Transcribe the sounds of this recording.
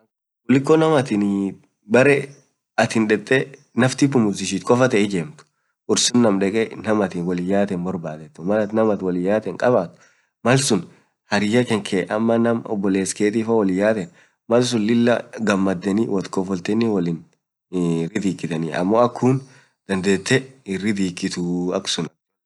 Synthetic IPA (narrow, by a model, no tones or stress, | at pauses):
wɔlɪkːɔnɐmɐt̪ɪn | bɐɾɛ | ɐt̪hɪnᶑɛt̪ʼːɛ | nɐft̪ɪpːʊmʊzɪʃ̬iːt̪kʼɔfɐt̪ɛɪd͡ʒeːmt̪ʊ̥ | ʔʊɾsʊnːɐmᶑɛkʼɛnɐmɐt̪ɪnwɔlɪjːaːt̪ɛnbɔɾbaːt̪ɛt̪ːʊmɐlɐt̪nɐmɐt̪wɔlɪjːaːt̪ɛŋkʼɐbaːt̪ʊ̥ | mɐlsʊn | hɐɾɪjɐkɛŋkʰeːʔɐmːɐnɐmɔ̰bːɔleːskeːt̪ʼiːfɐwɔlɪjːaːt̪ɛn | mɐls̬ʊnlɪlːɐɡɐmːɐd̪ːɛnɪwɔt̪kɔfɔlt̪ɛnːɪwɔlɪn | rɪd̪iːkːɪt̪ɐniɐ̰mːoːɐkʰːuːn | d̪̥ɐnd̪eːt̪ːɛɪrːɪd̪iːkːɪt̪uɐksʊnɐ